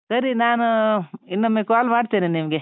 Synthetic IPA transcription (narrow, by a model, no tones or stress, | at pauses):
sɐɾinaːnuinːɐmːekaːlmaːɖt̪iːninimɐɡe